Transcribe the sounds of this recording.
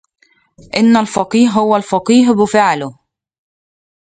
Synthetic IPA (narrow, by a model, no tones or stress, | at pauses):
ʔɪnːalfɑqiːhɦhʊwalfɑqiːɦbɪfaʕlʊh